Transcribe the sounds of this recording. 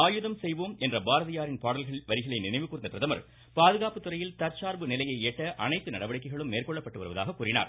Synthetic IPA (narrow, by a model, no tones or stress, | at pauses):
aːjɯðɐmsɛjʋoːmɛndrɐbaːɾɐðɪjaːɾɪnpaːɽɐlɣɐɭɪʋɐɾɪɣɐɭɐɪnɪnɐɪʋɯkːuːɾɪnd̪ɐpɪɾɐðɐmɐɾ | paːðɯɣaːpɯt̪ːɯrɐjɪlt̪ɐɾt͡ʃaːɾbɯnɪlɐjɐɪeːʈːɐʔɐnɐɪt̪ːɯnɐɽɐʋɐɽɪkːɐɪɣɐɭɯmːeːrkɔɭːɐpːɐʈːɯʋɐɾɯʋɐðaːɣɐkːuːrɪna̰ːɾ